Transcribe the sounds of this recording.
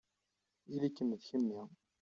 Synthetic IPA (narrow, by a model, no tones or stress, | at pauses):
ilækːəmːəðçəmːi